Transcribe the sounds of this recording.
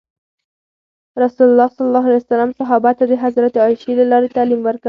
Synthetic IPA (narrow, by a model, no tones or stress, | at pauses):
ɾasulalːɑsɑlɑlːɑɦalajsalɑmsɑɦɑbat̪ad̪əɦazɾat̪eɑjʃelalɑɾet̪alimwəɾka